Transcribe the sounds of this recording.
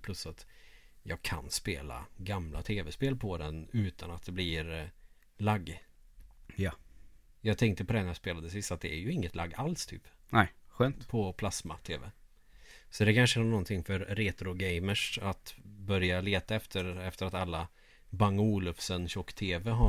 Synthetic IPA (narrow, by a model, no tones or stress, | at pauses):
pʰlɵsːat̪jɑːɡkʰa̰nspeːla̰ɡamla̰t̪ʰeːvɛspeːlpʰɔd̪ɛnʉ̟ːt̪ʰanat̪̚d̪ɛbliɾ | laɡː | ja | jɑːɡt̪ʰɛŋk̚t̪əpʰɔd̪ɛnːjɑspeːlad̪əs̬ɪst̪at̪̚d̪ɛæɾjɵɪŋːət̪la̰ɡːalst̪ʰy̰ːpnɛɧøːnt̪pʰɔpʰlasma̰t̪ʰeːvɛ̰ | sɔd̪ɛkʰanʂənɔnt̪ʰɪŋfœɾːeːt̪ɾʊɡɛjməʂat̪bœɾjaleːt̪aɛft̪ʰəɾɛft̪əɾat̪alːa | baŋːuːlɵfsənɕɔkːt̪ʰeːvɛɦa